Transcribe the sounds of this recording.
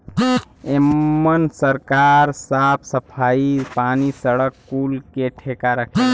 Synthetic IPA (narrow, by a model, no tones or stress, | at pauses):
emːənsəɾkaːɾsaːpʰsəpʰaːipaːnisəɽəkːuːlkeʈʰeːkaɾəkʰe